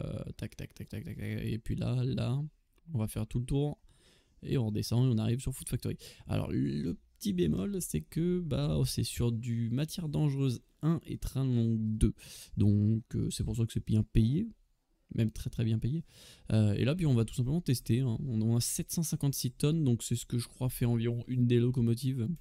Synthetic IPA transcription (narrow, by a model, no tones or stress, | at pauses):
ø̰t̪ak̚t̪a̰k̚t̪ak̚t̪ak̚t̪ak̚t̪akḛpɥila̰la | ɔ̃vafɛʁt̪ulət̪uʁ | ḛɔ̃ʁəd̪esɑ̃eɔ̃naʁivsyʁfu̥t̪fak̚t̪ɔʁia̰lɔ̰ʁləpət̪ibemɔlsɛkəbaɔsɛsyʁd̪ymat̪jɛʁd̪ɑ̃ʒʁøz | ɛ̃ʔḛt̪χɛ̃nɔ̃d̪ød̪ɔ̃kø̰sɛpuʁs̬akəsɛpjɛ̃peje | mʔɛmt̪χɛt̪χɛbjɛ̃pejeøḛlap̬ɥiɔ̃vat̪u̥sɛ̃pləmɑ̃t̪ɛst̪eɛ̃ɔ̃ñɔ̃nasɛt̪sɑ̃sɛ̃kɑ̃t̪sit̪ɔnd̪ɔ̃ksɛsə̥kəʒəkχwafɛɑ̃viʁɔ̃ʔynd̪elɔk̬ɔmɔt̪̬iv